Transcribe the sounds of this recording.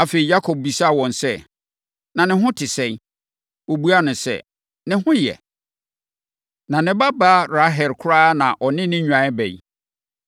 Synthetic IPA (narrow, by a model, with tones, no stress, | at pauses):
a˨fe˨i˨ja˦kʰɔ˨b̚bi˨sa˦˨wɔ̃˨n˨sɛ˦˨ | nã˨nɪ̃˨ɦʊ̃˦tʰɪ˨sɛ̃˦ | wo˨bu˦a˦nʊ̃˨sɛ̰˦ | nɪ̃˦hʊ̃˦jɛ̰˨ | nã˨nɪ̃˨ba˦baː˦ɾa˦ɦɛ˨lkʰʊ˦ɾaː˦nã̰˨ʔɔ˨nɪ̃˦nɪ̃˦ɲᶣã˨˦ɛ˦bɛ̰˨ḭ˨